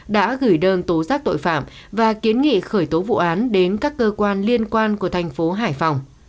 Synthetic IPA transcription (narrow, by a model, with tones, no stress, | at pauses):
ɗa̰ː˧˥ɣɨ˧˩jɗəː˧nt̪o˨˦zaː˦˥k̚t̪o̰˧˨jfa̰ː˧˩m | vaː˨˩ki˨˦ənŋḭ˧˨xəː˧˩jt̪o˨˦vṵ˧˨ʔaː˨˦nɗe˨˦nkaː˦˥kːəː˧kwaː˧nli˧ənkwaː˧nku˧˩ət̪ʰa˨˩jŋ̟fo˨˦ɦaː˧˩jfa˨˩wŋ͡m